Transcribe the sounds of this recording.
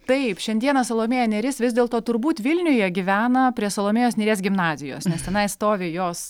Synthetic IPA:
t̪ɐɪpʃʲɛnʲd̪ʲiɛnɐsolˠoːmʲejɛnʲɛɾʲɪsʋʲɪzʲd̪ʲeːlˠt̪oːt̪ʊɾbuːt̪ʋʲɪlʲnʲʊjɛːɡʲiʋʲæːnɐpʲɾʲiɛsolˠoːmʲejoːsnʲiːɾʲeːsɡʲɪmnɑːzʲɪjo̰ːsnʲɛst̪ʲɛnɐɪst̪oːʋʲɪjoːs

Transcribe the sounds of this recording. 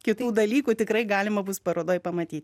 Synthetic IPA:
kʲɪt̪uːd̪ɐlʲiːkut̪ʲɪkɾɐɪɡɑːlʲɪmɐbuspɐɾoːd̪oːjpɐmɐt̪ʲiːt̪

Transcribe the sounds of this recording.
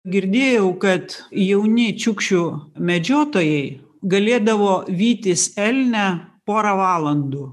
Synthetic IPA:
ɡʲɪɾʲd̪ʲeːjɛʊkɐt̪jɛʊnʲɪt͡ʃʲʊkʃʲʊmʲɛd͡ʒʲoːt̪oːjɛɪ | ɡɐlʲeːd̪ɐʋoːʋʲiːt̪ʲɪsɛlʲnʲɛpoːɾɐʋɑːlˠɐnd̪uː

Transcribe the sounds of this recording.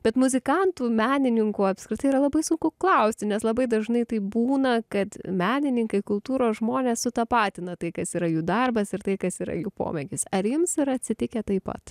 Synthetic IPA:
b̥ʲɛt̪mʊzʲɪkɐnt̪uːmʲæːnʲɪnʲɪŋkuːɐpʲskɾʲɪt̪ɐɪiːɾɐlˠɐbɐɪsʊŋkʊklˠɐʊsʲt̪ʲɪnʲɛslˠɐbɐɪd̪ɐʒnɐɪt̪ɐɪbuːnɐkɐt̪mʲæːnʲɪnʲɪŋkɐɪkʊlˠt̪uːɾoːsʒmoːnʲeːssʊt̪ɐpɑːt̪ʲɪnɐt̪ɐɪkɐsiːɾɐjuːd̪ɐrbɐsɪrt̪ɐɪkɐsiːɾɐ̰juːpo̰ːmʲɛɡʲɪsɐɾjɪmsɪɾɐt̪ʲsʲɪt̪ʲɪkʲɛt̪ɐɪpɐ̰t̪

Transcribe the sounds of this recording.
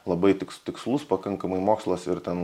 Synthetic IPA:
lˠɐbɐɪt̪ʲɪkst̪ʲɪkslˠʊspɐkɐŋkɐmɐɪmoːkslˠosɪɾt̪ʲɛn

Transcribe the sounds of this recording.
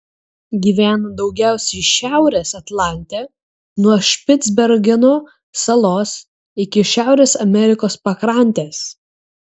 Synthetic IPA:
ɡʲiːʋʲæːnd̪ɒʊɡʲæˑʊsʲɛɪʃʲæˑʊɾʲeːsɐt̪lˠɑˑnʲt̪ʲeː | nuɔʃʲpʲɪt̪zʲbʲɛɾʲɡʲɪnoː | sɐlˠoːs | ɪkʲɪʃʲæˑʊɾʲeːsɐmʲɛɾʲɪkoːspɐkɾɑˑnʲt̪ʲeːs

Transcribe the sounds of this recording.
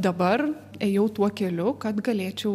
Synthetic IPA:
d̪ɐbɐɾ | ɛjɛʊt̪uɔkʲɛlʲʊkɐt̪ɡɐlʲeːt͡ʃʲɛʊ

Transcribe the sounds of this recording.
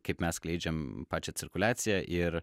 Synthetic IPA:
kɐɪpmʲɛsklʲɛɪd͡ʒʲɛmpɑːt͡ʃʲɛt̪sʲɪɾkʊlʲaːt̪sʲɪjɛʔɪɾ

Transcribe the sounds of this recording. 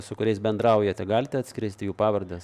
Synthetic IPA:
sʊkʊɾʲɛɪsbʲɛnd̪ɾɐˑʊjɛt̪ʲɛɡɑːlʲɪt̪ʲɛɐt̪sʲkʲɪɾʲɛɪsʲt̪ʲɪjuːpɑːʋɐɾʲd̪ʲɛs

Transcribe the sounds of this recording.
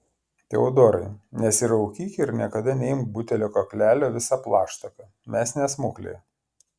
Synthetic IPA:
t̪ʲɛʊd̪oːɾɐɪnʲɛsɪɾɐʊkʲiːkʲeɪɾnʲiɛkɐd̪ɐnʲɛɪmkbʊt̪ʲɛlʲoːkɔkʲlʲæːlʲoːʋʲɪsɑplˠɑːʃt̪ɐkɐ | mʲɛsʲnʲɛsmʊklʲḛː

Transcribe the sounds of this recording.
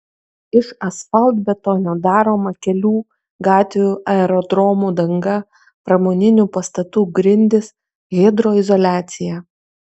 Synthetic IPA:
ɪʃɐsfɐlʲˠd̪ʲbʲɛt̪oːnʲɛd̪ɑːɾoːmɐkʲɛlʲuː | ɡɑːt̪ʲʋʲuːʔɐɛɾɔd̪ɾɔːmuːd̪ɐŋɡɐ | pɾɐmoːnʲɪnʲuːˑpɐst̪ɐt̪uːɡɾʲɪnʲd̪ʲɪs | ɣʲeːd̪ɾoːɪzɔlʲæːt̪sʲɪjæː

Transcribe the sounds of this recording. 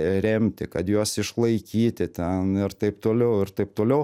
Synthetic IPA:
ɾʲɛmʲt̪ʲɪkɐt̪juɔsɪʃlˠɐɪkʲiːt̪ʲɪt̪ʲɛnɪɾt̪ɐɪpt̪oːlʲɛʊɪrt̪ɐɪp̚t̪oːlʲɛʊ

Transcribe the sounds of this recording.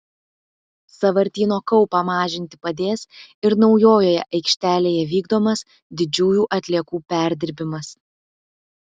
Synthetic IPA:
sɐʋɐɾʲt̪ʲiːnoːkɐʊpɑmɑːʒʲɪnʲt̪ʲɪ̥pɐd̪ʲeːsɪɾnɒʊjoːjoːjɛ̰ʔɐɪkʃʲt̪ʲæːlʲeːjɛʋʲiːɡd̪oːmɐs | d̪ʲɪd͡ʒʲuːjuːʔɐt̪ʲlʲiɛkuːpʲæˑɾʲd̪ʲɪɾʲbʲɪmɐs

